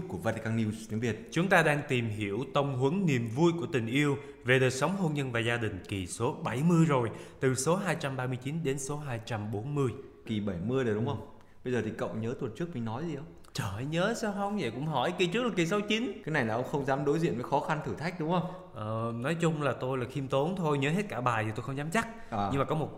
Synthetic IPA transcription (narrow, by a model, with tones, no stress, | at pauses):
ku˧˩əvaː˧t̪i˧kaː˧ni˧zt̪ʰi˨˦ŋvi˨˩ət̚t͡ɕʊ˨˦ŋ͡mt̪aː˧ɗaː˧ŋt̪i˨˩mɦi˧˩əwt̪ə˧wŋ͡mɦwə˨˦ŋni˨˩əmvu˧jku˧˩ət̪ï˨˩ŋ̟ʔi˧əw | ve˨˩ɗəː˨˩jsə˨˦wŋ͡mɦo˧nɲə˧nvaː˨˩zaː˧ɗï˨˩ŋ̟ki˨˩so˨˦ɓa˧˩jmɨ˧əjzo˨˩jt̪ɨ˨˩so˨˦ɦaː˧jt͡ɕa˧mɓaː˧mɨ˧əjt͡ɕi˨˦nɗe˨˦nso˨˦ɦaː˧jt͡ɕa˧mɓo˨˦nmɨ˧əj | ki˨˩ɓə˧˩jmɨ˧əjɗe˨˩ɗʊ˨˦ŋ͡mʔə˧wŋ͡m | ɓə˧jzəː˨˩t̪ʰi˨˩kə̰˧˨wŋ͡mɲəː˨˦t̪wə˨˩nt͡ɕɨ˦˥k̚mi˨˩nɔ˨˦jzi˨˩ʔə˧˦wŋ͡m | t͡ɕəː˧˩hɲəː˨˦saː˧wxə˧wŋ͡mzḛ˧˩kʊ̰˧˥ŋ͡mɦɔ˧˩jki˨˩t͡ɕɨ˦˥əlaː˨˩ki˨˩sə˨˦wt͡ɕi˨˦nkaː˨˦jna˨˩jlaː˨˩ʔə˧wŋ͡mxə˧wŋ͡mzaː˨˦mɗo˨˦jzḭ˧˨ənvəː˨˦jxɔ˨˦xa˧nt̪ʰɨ˧˩t̪ʰa˦˥k̚ɗʊ˨˦ŋ͡mxə˧wŋ͡m | ʔəː˨˩nɔ˨˦jt͡ɕʊ˧ŋ͡mlaː˨˩t̪o˧jlaː˨˩xi˧mt̪o˨˦nt̪ʰo˧jɲə˨˦ɦe˦˥t̚kaː˧˩ɓaː˨˩jʰi˨˩t̪o˧jxə˧ŋ͡mzaː˨˦mt͡ɕa˦˥k̚ː | ɨ˧ŋmaː˨˩kɔ˨˦mo˨˩t̚